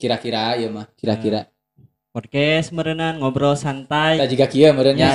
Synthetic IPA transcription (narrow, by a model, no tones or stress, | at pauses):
kiɾakiɾajəmahkiɾakiɾa | pɔd̚kɛsməɾənanŋɔbɾɔsant̪ajad͡ʒuɡakiəməɾənja